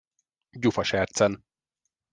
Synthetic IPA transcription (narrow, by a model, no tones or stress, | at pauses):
ɟufɒʃɛrt̪sɛn